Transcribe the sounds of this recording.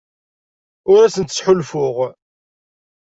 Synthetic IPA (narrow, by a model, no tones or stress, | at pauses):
ʊɾæsənt̪ːə̥sħʊlfʊʁ